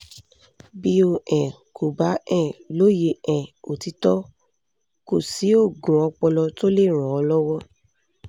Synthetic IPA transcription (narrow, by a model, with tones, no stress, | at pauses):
bi˧˦o˧ʔɛ̃˨ | ko˨ba˨˦ɛ̃˦˨lo˦je˧ɛ̃˨o˨ti˧˦tɔ˦ | ko˨si˨˦o˦˨ɡũ˨ɔ˧k͡pɔ˧lɔ˧to˦le˦˨ɾ̃ɔ̃˨ɔ˧lɔ˦wɔ˦